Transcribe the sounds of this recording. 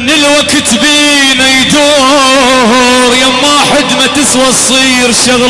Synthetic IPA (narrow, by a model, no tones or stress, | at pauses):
nɪlwakt̪biːnajd̪uː | ɦɾjamwaːħɪd̪mat̪ɪswɑsˤiːɾʃaɣ